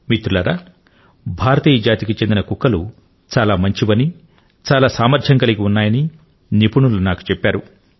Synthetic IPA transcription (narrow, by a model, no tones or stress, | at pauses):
mit̪ɾulɐːɾaː | bʱaːɾɐt̪iːjɐd͡ʒaːt̪ikit͡ʃe̞nd̪inɐkukːɐlu | t͡ʃaːlaːmɐɲt͡ʃiʋɐni | t͡ʃaːlaːsaːmɐɾd͡ʒʰʱɐŋkɐlikiunːaːjɐni | nipuɳulunaːku̥t͡ʃɛpːaːɾu